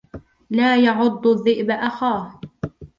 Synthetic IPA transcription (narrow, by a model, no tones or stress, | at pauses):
laːjɑʕʊd̪ˤːʊðˤːɪʔbaʔaxaːh